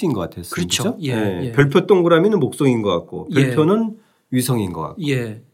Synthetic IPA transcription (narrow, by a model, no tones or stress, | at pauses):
inɡʌk͈atʰes͈ɾt͡ɕioepjʌɭpʰjot͈oŋɡɯɾamjinɯnmok̚s͈ʌŋinɡʌk͈a̰k̚k͈o̰pjʌɭpʰjonɯn | ɥisʰʌŋinɡʌ̰k͈a̰k̚oe